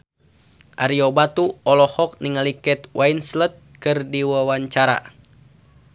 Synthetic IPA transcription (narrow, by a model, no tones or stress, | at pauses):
ʔaɾiobat̪uɔlɔhɔk̚niŋalikɛt̪wainslət̪̚kɨrdiwawaɲt͡ʃaɾa̰